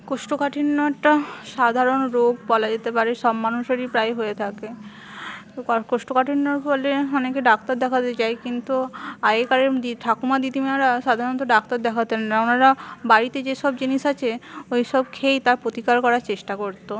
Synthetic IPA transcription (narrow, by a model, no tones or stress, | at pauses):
koʃʈokaʈʰinːoɛk̚ʈaʃad̪ʱaɾonɾoɡbɔlad͡ʑet̪epaɾeʃɔbmanuʃeɾipɾajɦoet̪ʰake | t̪okkoʃʈokaʈʰinːoɾbɔleɔnekeɖakt̪aɾd̪ɛkʰat̪et͡ɕaekint̪uajekaɾeɾd̪iʈʰakumad̪it̪imaɾaʃad̪ʱaɾont̪oɖakt̪aɾd̪ɛkʰat̪ennaonaɾabaɾit̪ed͡ʑeʃɔbd͡ʑiniʃat͡ɕʰeojʃɔb̚kʰejt̪aɾpɾot̪ikaɾkɔɾaɾt͡ɕeʃʈakoɾt̪o